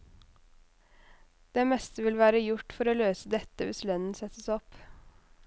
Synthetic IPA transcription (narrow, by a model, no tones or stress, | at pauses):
d̪̥ɛmɛst̪əʋɪlʋæːɾəjʊʈfɔɾoːløːsəd̪ɛt̪əʋɪslœnn̩sɛt̪əsɔp